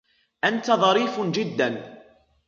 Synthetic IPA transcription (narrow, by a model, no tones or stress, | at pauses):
ʔant̪aðˤɑɾiːfd͡ʒɪd̪ːan